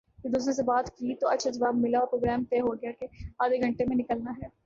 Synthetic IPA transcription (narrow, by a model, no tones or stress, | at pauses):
jed̪uːsɾẽs̬ebaːt̪kit̪oɐdʃʰad͡ʒɐʋaːbmɪlaɔːɾpɾoːɡɾɛːmt̪ɛːɦoɡjakeaːd̪ʱeɡʱɐ̃ɳʈemẽnɪkəlnaɦɛː